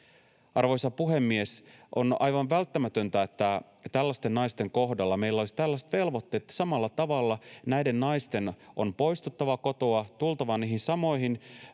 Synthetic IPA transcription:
ɑrʋojsɑpuɦe̞mːie̞sʔo̞̰nɑ̰jʋɑnʋælt̪ːæmæt̪ø̞nt̪æet̪ːæ | t̪ælːæst̪e̞nːɑjst̪e̞ŋko̞ɦdɑlːɑme̞ilːolisit̪ælːæst̪ʋe̞lʋo̞t̪ːe̞ːt̪ːsɑmɑlːɑt̪ɑʋɑlːɑnæjde̞nːɑjst̪e̞nʔo̞npo̞jst̪ut̪ːɑʋɑko̞t̪oɑt̪ult̪ɑʋɑniːhinsɑmo̞jɦin

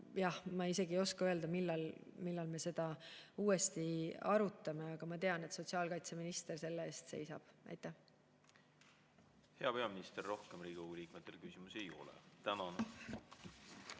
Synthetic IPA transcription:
jɑhmɑise̞ɡio̞skɑøe̞ld̪ɑmilːɑl | milːɑlme̞se̞d̪̥ɑuːe̞st̪iɑɾut̪ːˑɑme̞ɑɡ̥ɑmɑt̪e̞ɑne̞t̪so̞t̪ʲsiɑːlkɑjt̪se̞minist̪e̞rse̞lːee̞ːst̪se̞̰jsɑ̰b̥ʔɑ̰jt̪ːˑæh | he̞ɑpe̞ɑminist̪erːo̞hkemriːkoɡ̥uliːk̚met̪ːˑelkysimusejo̞̰lɛ̰t̪ænɑn

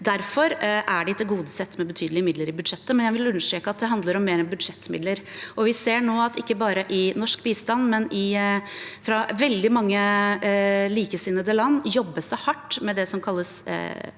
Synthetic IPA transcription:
d̪æɾfɔɾʔæɖɪt̪ʰɪlɡuːd̪əsɛt̪ːmɛbət̪ʰyːd̪lɪəmɪd̪ləɾɪbʉd̪ʂɛt̪ːəmɛnjæɪʋɪlʉnːəʂʈ̪ɾeːkəɑt̪̚d̪ɛɦɑnd̪ləɾɔmːeːɾɛnbʉd̪ʂɛt̪ːmɪ̰d̪ləɾʔɔʋɪseːɳoːɑt̪ɪkːəbɑːɾəʔɪnɔʂkbiːst̪ɑnːmɛnɪ | fɾɑʋɛld̪ɪmɑŋːə | liːkəsɪnːəd̪əlɑnːjɔbːəsd̪ɛhɑʈːmɛd̪ɛsɔmkʰɑlːəs

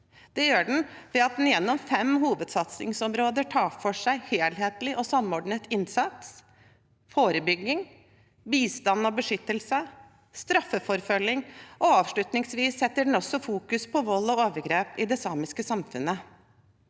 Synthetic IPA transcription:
d̪̥ɛjøːɖɛn̩ʋɛɑt̪̚d̪n̩jɛnːɔmfɛmhuːʋəd̪sɑt̪sɪ̰ŋsɔmɾoːd̪əʈʰɑːfɔʂæɪheːlɦeːt̪lɪʔɔsɑmːɔɖɳət̪ɪnsɑt̪s | foːɾəbʏɡːɪŋ | biːst̪ɑnːɔbəʂʏt̪ːəlsə | st̪ɾɑfːəfɔɾfœlːɪŋʔɔɑːʋʂɭʉt̪nɪŋsʋiːsːɛt̪ːəɖɛn̩ɔsːɔfuːkʉspʰɔʋɔlːɔoːʋəɾɡɾeːpɪd̪ɛsɑmɪskəsɑmfʉnːə

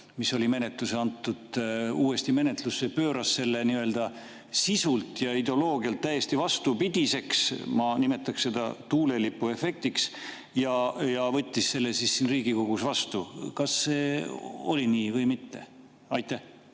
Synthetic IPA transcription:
miso̞lʲime̞net̪luseɑnt̪ːˑud̪̥uːe̞st̪ime̞net̪lussepø̞ːɾɑsːe̞lːe̞niø̞ld̪̥ɑ | sisult̪ˑjɑid̪elo̞ːɡ̥iɑlt̪ːæje̞st̪ivɑst̪upid̪̥ise̞ksmɑnime̞t̪ːˑɑksse̞d̪̥ɑ̰t̪uːle̞lipːue̞fe̞k̚t̪iks | jɑjɑvɤt̪ʲːisse̞lːesisːinriːɡiko̞ɡ̥usvɑst̪ukɑsːe̞ːo̰lʲiniːvɤjmit̪ːe̞̰ | ɑjt̪ːˑæh

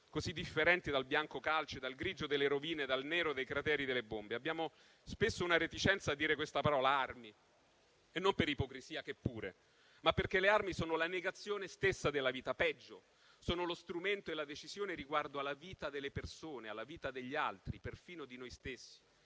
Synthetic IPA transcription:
kozid̪ːifːeɾɛnt̪id̪albjaŋkokalt͡ʃed̪alɡɾiːd͡ʒod̪elːeɾoviːned̪alnɛːɾod̪ejkɾat̪ɛːɾid̪elːebombeabːjaːmo | spesːounaɾet̪it͡ʃɛnt̪sad̪ːiːɾekwest̪apaɾɔːlaarmi | enːompeɾipokɾisiːakepːuːɾḛ | mapːerkelearmisoːnolaneɡat̪sːjoːnest̪esːad̪elːaviːt̪apɛd͡ʒːo̰ | soːnolost̪ɾument̪oelːad̪et͡ʃizjoːneɾiɡward̪oalːaviːt̪ad̪elːepersoːnealːaviːt̪ad̪eʎːialt̪ɾiperfiːnod̪inojst̪esːi̥

